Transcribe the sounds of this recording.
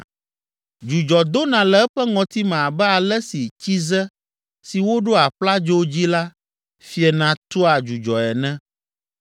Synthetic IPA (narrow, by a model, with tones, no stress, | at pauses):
d͡ʒu˨d͡ʒɔ˨d̪o˦nã˨lɛ˨ɛ˦ɸɛ˦ŋɔ̃˨t̪i˦mã˨a˨bɛ˦a˨lɛ˦si˨t͡ɕi˦zɛ˦ | si˨wo˦ɖo˦a˨ɸla˦d͡ʒo˦d͡ʑi˦la˦ | fi˦ɛ˨nã˨t̪o˦a˨d͡ʒu˨d͡ʒɔ˨ɛ˨nɛ̃˦